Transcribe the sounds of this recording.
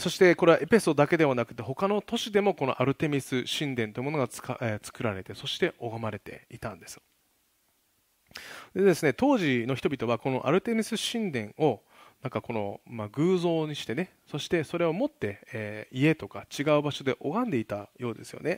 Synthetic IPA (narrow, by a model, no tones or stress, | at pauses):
so̞ɕi̥t̪e̞ko̞ɾe̞βaʔe̞pe̞so̞d̪ake̞d̪e̞βanakɯ̟t̪ːe̞ɦo̞kano̞t̪o̞ɕid̪e̞mo̞ko̞no̞ʔaɾɯ̟t̪e̞mʲisɨɕĩnd̪ẽ̞nt̪oiɯ̟mo̞no̞ɡḁat͡sɨ̥kɯ̟ɾaɾe̞t̪e̞so̞ɕi̥t̪e̞ʔoɡamaɾe̞t̪e̞̰it̪ãnd̪e̞sɨ̥ | d̪e̞d̪esɨne̞t̪o̞ːʑino̞çi̥t̪o̞bʲit̪o̞βako̞no̞̰ʔa̰ɾɯ̟t̪e̞mʲisɨɕĩnd̪ẽ̞ɰ̃o̞ | nãŋkako̞no̞̰maɡɯ̟ːzo̞ːɲ̟iɕi̥t̪e̞ne | so̞ɕi̥t̪e̞so̞ɾe̞o̞mo̞t̪ːe̞ːie̞t̪o̞kat͡ɕiɡaɯ̟baɕo̞d̪e̞ʔo̞ɡãnd̪e̞it̪ajo̞ːd̪e̞sɨjo̞̰ne